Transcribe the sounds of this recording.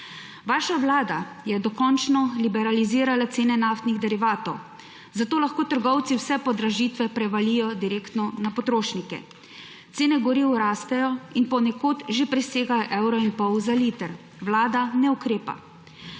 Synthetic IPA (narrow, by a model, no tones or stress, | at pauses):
ʋaːʃaʋlaːd̪a | jɛd̪ɔkɔnt͡ʃnɔlibɛɾaliziːɾalat̪seːnɛnaft̪niɣd̪ɛɾiʋaːt̪ɔw | zat̪oːlaxkoːt̪əɾɡɔwt̪siwsɛpɔd̪ɾaʒiːt̪ʋɛpɾɛʋalijɔd̪iɾeːkt̪nɔnapɔt̪ɾoːʃnikɛ̰ | t̪seːnɛɡɔɾiwɾaːst̪ɛjɔinpɔnɛkoːt̪ʒepɾiseːɡajɔʔɛwɾɔinpɔwzaliːt̪əɾ | ʋlaːd̪anɛukɾeːpa̰